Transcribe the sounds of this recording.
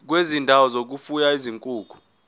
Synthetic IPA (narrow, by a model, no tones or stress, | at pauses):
k̬wezindʱawɔzok̬ufujaiziŋkʼuːɡ̥ʱu